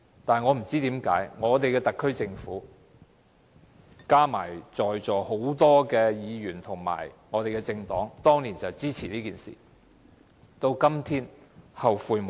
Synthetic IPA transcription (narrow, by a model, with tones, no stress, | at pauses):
t̪aː˨n˨jŋɔː˨˧m̩˨˩t͡siː˥t̪iː˨˥mka̰ː˨˥jŋɔː˨˧t̪e˨jkɛː˧t̪ɐ˨kʰːɵ˥ɥt͡sɪ˧ŋfuː˨˥ | kaː˥ma̰ː˨˩jt͡ʃɔː˨jt͡ʃɔː˨ho˨˥wt̪ɔː˥kɛː˧jiː˨˧jyː˨˩nt̪ʰʊ˨˩ŋma̰ː˨˩jŋɔː˨˧t̪e˨jkɛ˧t͡sɪ˧ŋt̪ɔː˨˥ŋt̪ɔː˥ŋliː˨˩nt͡sɐ˨t͡siː˥t͡sʰiː˨˩liː˥kiː˨˩nsḭː˨˩ | t̪o˧wkɐ˥mt̪ʰiː˥nhɐ˨wfuː˨˧jm˨